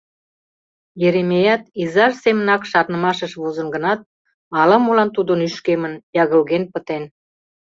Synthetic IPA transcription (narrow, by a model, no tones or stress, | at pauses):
jeɾemejɑt̪izɑʃsemənɑkʃɑɾnəmɑʃəʃβozə̆nɡə̆nɑt̪̚ | ɑləmulɑnt̪ud̪ənyʃkemənjɑɣəlɣenpət̪en